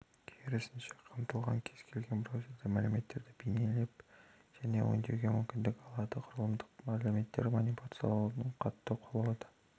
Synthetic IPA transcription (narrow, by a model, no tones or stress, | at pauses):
kʲʰeɾɪsɪnʃe̥qʰəmt̪əlˠʁɑŋkʲʰe̞zkʲʰe̞lɡʲe̞npɾoset̪ɪmælɪme̞t̪ːe̞ɾd̪ɪbejnelep | ʒ̥æne̞̰wo̰nd̪eɾɡʲemʏmkʲɪnd̪ɪkɑlˠɑd̪əqʰʊɾəlˠəmd̪əqmælume̞t̪ːe̞̰ɾmonipat̪sjɑ̰lnəɴqʰɑt̪ːəqʰolˠɑwd̪ə̥